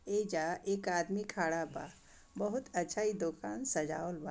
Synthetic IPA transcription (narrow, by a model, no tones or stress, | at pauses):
eːd͡ʒaːʔeːkaːd̪mikʰaːɽaba̰ː | bɐɦʊt̪ɐtːʃʰaːid̪okaːnsɐd͡ʒaːolba